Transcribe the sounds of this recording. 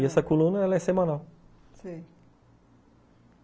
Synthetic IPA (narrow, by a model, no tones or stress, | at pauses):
iɛsɐkolunɐɛlɐɛsemanal | si